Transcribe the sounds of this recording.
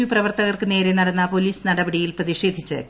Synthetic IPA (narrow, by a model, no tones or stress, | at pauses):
ʋiprɐʋɐrt̪ɐɣɐrkɨne̞ːɾenɐɽɐnːɐpoliːsnɐɽɐbɐɽijilprɐðiɕe̞ːd̪ʱit͡ɕːɨ̰